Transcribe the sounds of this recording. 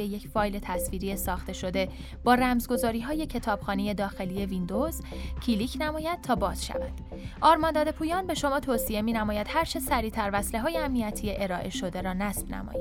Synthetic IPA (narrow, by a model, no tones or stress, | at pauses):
jeje̞cʰfɒːjle̞t̪ʰæsviːɾijesɒːxt̪e̞ʃo̞d̪e̞ | b̥ɒːɾæmzɡo̞zɒːɾiːɦɒːje̞cʰe̞t̪ʰɒːb̥xɒːnije̞d̪ɒːxe̞lije̞vind̪o̞zcʰiliːcʰnæmɒːjæd̪̥̚t̪ʰɒːbɒːz̥ʃæ̰væ̰nd̥̪ | ʔɒːɾmɒnd̪ɒːd̪e̞pʰuːjɒːnbe̞ʃo̞mɒːt̪ʰoːsie̞miːnæmɒːjæd̪̥hæɾt͡ʃʰe̞sæɾiːt̪ʰæɾvæsle̞ɦɒːje̞æmniæt̪ʰijeʔeɾɒːʔe̞ʃo̞d̪e̞ɾɒːnæsb̥næ̰mɒ̰ːjæd̪̥